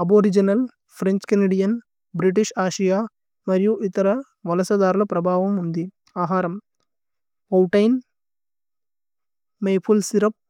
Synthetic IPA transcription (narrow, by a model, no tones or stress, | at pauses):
ɐboːɾid͡ʒɐnɐl | pʰɾeɲt͡ʃkɐneːɖijɐn | bɾiʈ̬iʂaːʃɐjaː | mɐɾijuʔit̪ɐɾɐ | ʋɐlɐsɐd̪aːɾulɐpɾɐbʱaːʋɐmund̪i | aːɦaːɾɐm | ɐwʈɐjn | mɐjpʰulsiɾɐp̚